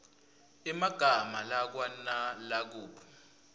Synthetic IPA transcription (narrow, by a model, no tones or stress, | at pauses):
imaɡ̥ʱamalak̬wanalak̬uːpʰɔ̥